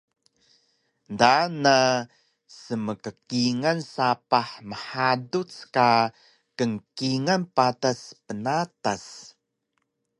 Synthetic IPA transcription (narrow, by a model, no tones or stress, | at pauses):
ndana | səməkəkiŋansapaħməħadut͡ska | kəŋkiŋanpataspənatas